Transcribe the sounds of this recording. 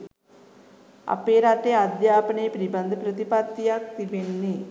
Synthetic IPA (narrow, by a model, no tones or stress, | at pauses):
ɐ̰peːɾaːt̪ːead̪jaːpɐɳeːpɾibɐnd̪ʱəpɾɐt̪ipaːt̪ːijak̚t̪iʋenːi